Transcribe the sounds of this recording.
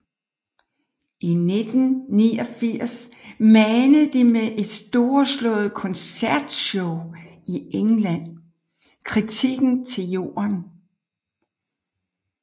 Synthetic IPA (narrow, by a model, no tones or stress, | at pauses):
ʔine̝d̥n̩niːɒfiɐ̰smænəð̩ˠd̥imeʔe̝d̥sd̥o̝ːɒslɔ̰̽ːð̞̩ˠkʰɒ̽nsæɐ̰d̥ɕɔʊ | ieŋlæn̰ | kʰʁit͡sʰiɡ̥n̩t͡sʰe̝ljo̝̰ːɐn